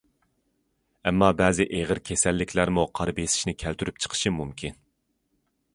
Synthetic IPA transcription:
ɛmːɑbɛːzɪʔeʁəɾkʲʰesɛlːɪkʲʰlæɾmuqʰɑɾbesɪ̥ʃnɪkʲʰælt̪ʰyɾyp̚t͡ʃʰə̥qʰə̥ʃɨmumkʲʰin

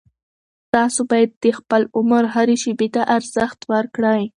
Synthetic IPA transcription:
t̪ɑsobɑjad̪ːəxpəlʊmɾɦaɾeʃebet̪aʔaɾz̥əxt̪wəɾkɽəj

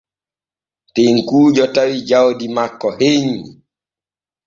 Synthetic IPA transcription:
teŋkuːd͡ʒɔtawid͡ʒawdimakːɔheɲi

